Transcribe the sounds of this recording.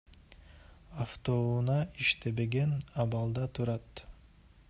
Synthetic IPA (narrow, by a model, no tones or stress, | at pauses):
aft̪ounɑiʃt̪e̞be̞ɡe̞nɑβɑlˠd̪ɑt̪ʰuɾɑt̪